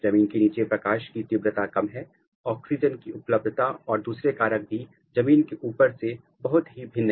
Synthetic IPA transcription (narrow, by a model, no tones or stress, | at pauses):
d͡ʒɐmiːnkeniːt͡ʃepɾɐkaːʃkit̪ɪbɾət̪akɐmɦɛː | ɔːksɪd͡ʒənkiʊpləb̚d̪ʱət̪aɔːɾd̪uːsɾekaːɾək̚bʱi | d͡ʒɐmiːnkeʔuːpəɾse | bɐɦʊt̪ɦibʱɪnː